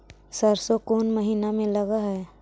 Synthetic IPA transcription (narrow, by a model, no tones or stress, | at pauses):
səɾsokoːnməɦiːnamẽləɡaɦɛː